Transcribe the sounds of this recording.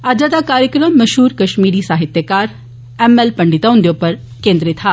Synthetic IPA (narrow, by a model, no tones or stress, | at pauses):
ad͡ʒat̪akaːɾjəkɾəmːɐʃɦuːɾkɐʃmiːɾisaːɦɪt̪jəkaːɾ | ɛːmɛlpɐɳɖɪt̪aɦʊ̃nd̪jopɐɾ | kẽːnd̪ɾet̪ʰaː